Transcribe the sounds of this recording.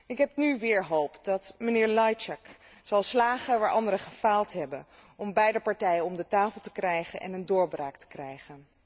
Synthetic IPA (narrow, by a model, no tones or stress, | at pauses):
ɪkɦɛpnyʋɪːɹɦowpdɑtmənɪːɹlɑjt͡ʃɛk | z̥ɑlˠslaːχəʋaːɹʔɑndəɾəχəfaːlˠtɦɛbənɔmbɛjdəpɑɹtɛjənɔmdətaːfəl̩ˠtə̥krɛjχənʔɛ̰nəndʊːɹbraːktə̥krɛjχən